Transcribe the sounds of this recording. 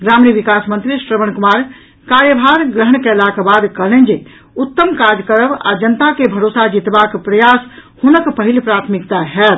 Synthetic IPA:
ɡɾamniʋikasmənt̪ɾisɾəməñkumaɾ | kaɾjəbʱaɾɡɾəɦəɳ̃kɛlakbad̪kəlɛnd͡ʒe | ut̪ːəmkad͡ʒkəɾəba̰d͡ʒənt̪akebʱəɾosad͡ʒit̪bakpɾəjashunəkpəɦilpɾat̪ʰmikt̪aɦɛt̪̚

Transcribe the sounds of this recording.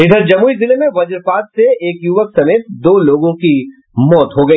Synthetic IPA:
ɪd̪ʱəɾd͡ʒɐmuːizɪlemẽʋɐd͡ʒəɾpaːt̪seeːkjuːʋəksɐmeːt̪̚d̪oːloːɡõki | mɔːt̪ɦoɡɐi

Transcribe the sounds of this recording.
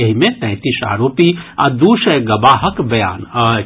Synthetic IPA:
ɐɦimẽt̪ɛ̃ːt̪isa̰ːɾoːpia̰d̪uːʃəɡɐbaːɦəkbɐjaːn

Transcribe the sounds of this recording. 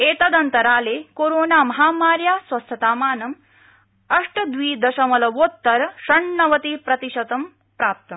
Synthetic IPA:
eːt̪ɐd̪ɐnt̪ɐɾaːleːkoːɾoːnaːmɐɦaːmaːɾjaːsʋɐst̪ʰɐt̪aːmaːnɐm | ɐʂʈɐd̪ʋiːd̪ɐʃɐmɐlɐʋoːt̪ːɐɾʃɐɳːɐʋɐt̪iːpɾɐt̪iɕɐt̪ɐm | pɾaːp̚t̪ɐm

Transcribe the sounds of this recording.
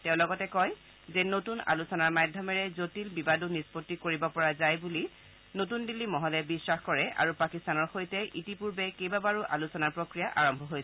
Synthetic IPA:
tɛʊ̃lɔɡɔtɛkɔj | zɛnotuna̰lusɔnaɹmajdʱjɔmɛɹɛzotilbibadunispotːikoɹibɔpɔɹazajbuli | notundilːimɔɦɔlɛbisːaxkɔɹɛa̰ɹupakistanɔɹxojtɛʔitipuɹbɛkejbabaɹuʔa̰lusɔnaɹpɹokɹijaʔaɹɔmbʱɔɦojsɛ

